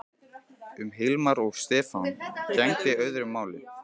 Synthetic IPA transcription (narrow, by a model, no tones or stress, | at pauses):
ʏmɦɪlmaɾɔɣst̪ɛːfancɛŋtɪœɥðɾʏmːaːwlɪ